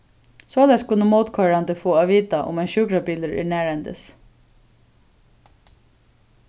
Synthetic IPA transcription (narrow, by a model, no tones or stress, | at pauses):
sɔːlɛɡskʰʊnːəmoːt̪kʰɑɹand̪əfoːaːʋiːt̪aʔʊ̰mɛnʃʉːkɾapiːləɹʔɪ̰næːɹɛnt̪ə̰s